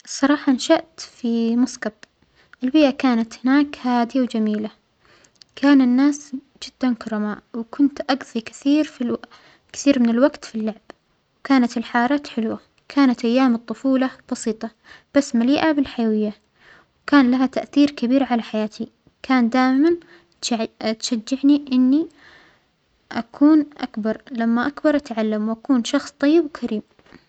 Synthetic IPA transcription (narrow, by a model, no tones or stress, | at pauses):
sˤɑɾˤɑːħɑnʃaʔt̪fimɑskɑtˤ | ʔɪlbiːʔakaːnat̪hɪnaːkhaːd̪ɪjawd͡ʒamiːla | kʰaːnɪnːaːs | d͡ʒɪd̪̥ːankɑɾˤɑmaʔwkʊnt̪ʔɑɡðˤikɪ̥θiːɾfi | kɪ̥θiːɾmɪnɪlwaɡt̪filːaʕb | wkaːnat̪ɪlħɑːɾˤɑːt̪ħɪlwa | kʰaːnat̪ʔajːaːmɨt̪ˤːʊfuːlɑb̥ɑsiːt̪ˤɑ | b̥asːmaliːʔabɪlħajawɪjːa | wkaːnlaɦat̪aʔθiːɾkabiːɾʕalaħajaːt̪i | kaːnd̪aːʔɪman | t̪ʃad͡ʒːaʕniʔɪnːi | ʔakʰuːnʔa̰kbɑɾˤlamːaʔakbɑɾˤʔat̪ʕalːamwʔakuːnʃɑxsˤt̪ˤːɑjːɪbwkʰaɾiːm